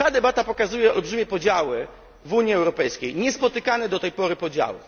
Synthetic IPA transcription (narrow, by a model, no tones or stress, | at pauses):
t̪ad̪ɛbat̪apɔkazujɛɔ̰lbʐɘmʲjɛpɔd͡ʑawɘ | vuɲiɛwɾɔpɛjskʲejɲɛspɔt̪ɘkanɛd̪ɔt̪ɛjpɔɾɘpɔd͡ʑa̰wɘ̰